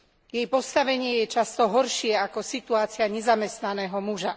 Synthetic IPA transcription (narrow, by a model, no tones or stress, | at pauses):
jɛjpɔst̪aʋɛɲɪɛjɛt͡ʃast̪ɔɦɔɾʃɪɛakɔsit̪uaːt͡sɪaɲɛzamɛst̪nanɛːɦɔmuʒa